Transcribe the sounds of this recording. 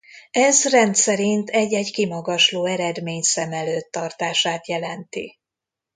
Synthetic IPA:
ɛzrɛnt̪sɛɾint̪ʰɛɟːɛɟkimɒɡɒʃloːɛɾɛd̪meːɲsɛmɛløːt̪ːɒrt̪aːʃaːt̪jɛlɛnt̪ḭ

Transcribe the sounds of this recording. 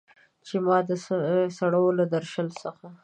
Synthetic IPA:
t͡ʃemɑd̪əsaɽolad̪aɾʃəlsəxa

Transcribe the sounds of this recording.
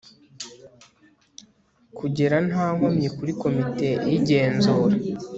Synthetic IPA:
kuɟe̞ɾanaːŋomɲekuɾiko̞mite̞jiɟe̞ːnzuːɾa

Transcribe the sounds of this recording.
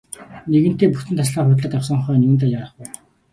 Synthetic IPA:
neɣɘ̥̆t̪eːpuxt̪ɘ̆nt̪ʰasɮaːχʊt̪ɮə̆t̪awsɞ̆ɴχœːnʲuːnt̪aːjaɾə̆χpæː

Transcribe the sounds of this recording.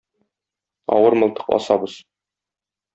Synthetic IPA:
ɒ̰wɤɾmɤ̆lˠt̪ɤ̥qɒ̰sɑbɤz

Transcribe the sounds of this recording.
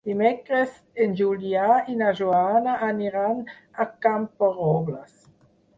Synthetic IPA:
dimɛkɾəs | end͡ʒuljainaʒuanaʔaniɾan | akampaʁɔblas

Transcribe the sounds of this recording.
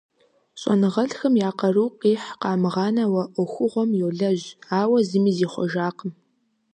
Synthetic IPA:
ɕʼɔ̰nɨʁɐɮxɐmjaːqɐruːqiːħqɑːmɨʁɑːnɐwɐʔʷʊxʷʊʁʷɔmjowɮɐʑaːwɐzɨmiːziːχʷɔ̰ʒaːqəm

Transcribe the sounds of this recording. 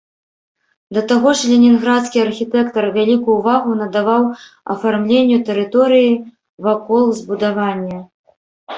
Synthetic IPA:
d̪ɐt̪aɣɔʐlʲenʲinɣɾat̪skʲiɐrxʲit̪ɛkt̪ɐrvʲalʲikujːvaɣunɐd̪avaw | ɐ̰farmlʲenʲːut̪ɛɾɨt̪ɔɾɨji | vakɔlˠzbud̪avanʲːɐ

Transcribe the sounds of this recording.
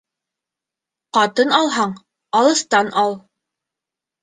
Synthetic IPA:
qɑt̪ɤnɑlˠɦɑɴ | ɑlˠɤ̆st̪ɑnʔɑlˠ

